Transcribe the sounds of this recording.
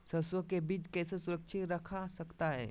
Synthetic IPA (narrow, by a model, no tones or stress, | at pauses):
sɐswəkebiːt͡ʃkɛːsesʊɾəkʃʰɪt̪ɾɐkʰasɐkt̪aɦɛ̰ː